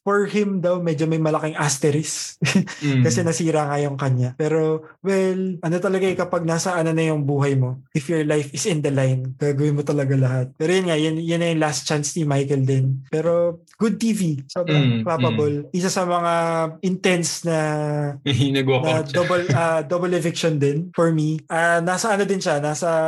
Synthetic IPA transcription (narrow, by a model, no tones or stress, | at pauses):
fɔɹhɪmd̪awmɛd͡ʒomɐjmɐlɐkɪŋʔast̪ɛɾɪs | kɐsɛnɐsiːɾɐŋajʊŋkɐɲːapɛːɾo̞ | wɛlʔɐnot̪ɐlɐɡajkɐpɐɡ̚naːsɐʔɐnɐnɐjʊŋbuːɦɐjmo̞ʔɪfjɔɹlajfɪsɪ̃nd̪ɐlajnɡ̥aːɡɐwɪnmot̪ɐlɐɡalɐɦat̪̚pɛːɾojʊnŋajʊnjʊnːɐjʊŋlast̪̚t͡ʃansnimajkɛld̪ɛnpɛːɾo̞ | ɡ̥ʊd̪̚t̪ivisobɾɐŋklapɐbolʔɪsasɐmɐŋaʔɪnt̪ɛnsnɐmɐhiːnɐɡoknɐd̪obɐlɐd̪obɐlɪfɪkʃond̪ɪnfɔɹmiʔɐnaːsɐʔɐnod̪ɪnʃanaːsɐ